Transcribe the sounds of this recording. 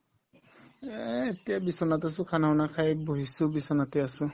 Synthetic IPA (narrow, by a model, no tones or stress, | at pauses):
etijabisɔnatas̬ʊ̃kʰanawnakʰajboɦisʊbisɔnatɛasʊ̃